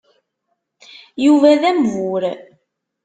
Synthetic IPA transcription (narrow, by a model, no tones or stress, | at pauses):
juvæðæmvʊɾ